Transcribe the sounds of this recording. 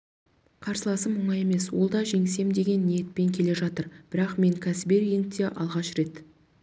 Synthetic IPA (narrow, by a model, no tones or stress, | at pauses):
qʰɑɾsəlˠɑsəmːʊɴɑje̞me̞swo̞lˠd̪ɑʒe̞ŋɪse̞md̪e̞ɡʲe̞nːije̞t̪̚pe̞ŋkʲʰe̞le̞ʒɑt̪əɾb̥ɪɾɑqme̞ŋkʲʰæsɪbeɾjeŋt̪e̞ʔɑlˠʁɑʃɾe̞t̪